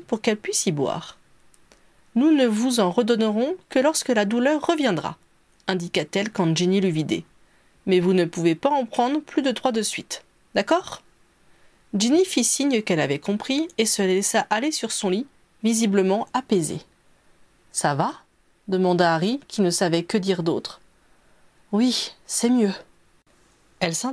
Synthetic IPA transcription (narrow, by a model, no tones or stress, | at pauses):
puʁkɛlpɥisibwa̰ʁ | nunəvuzɑ̃ʁəd̪ɔnəʁɔ̃kəlɔʁskəlad̪ulœʁːəvjɛ̃d̪ʁa̰ | ɛ̃d̪ikat̪ɛlkɑ̃ʒinilyvid̪ḛ | mɛvunəpuvepaɑ̃pχɑ̃d̪ʁplyd̪ət̪ʁwad̪əsɥit̪ | d̪akɔːʁ | ʒinifisiɲkɛlavɛkɔ̃pχiesəlɛsaʔalesyʁsɔ̃li | vizibləmɑ̃apezḛ | sava | d̪əmɑ̃d̪aːʁikʲinəsavɛkəd̪iʁd̪o̰t̪χ | wisɛmjø | ɛlsɛ̃